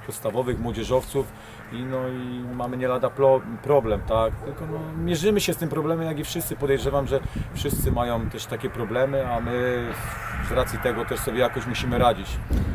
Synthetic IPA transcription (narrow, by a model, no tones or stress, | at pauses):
pɔt̪st̪avɔvɘɣmwɔd͡ʑɛʐɔft̪suf | inɔimamɘɲɛlad̪apɔpɾɔblɛmt̪akt̪ɘlkɔnɔmʲjɛʐɘmɘɕɛst̪ɘmpɾɔblɛmɛmjaɡʲifʂɘst̪sɘpɔd̪ɛjʐɛvamʐɛfʂɘst̪sɘmajɔ̃w̃t̪ɛʂt̪akʲɛpɾɔblɛmɘamɘ | zɾat̪sʲit̪ɛɡɔt̪ɛʂsɔbʲjɛjakɔɕmuɕimɘɾad͡ʑit͡ɕ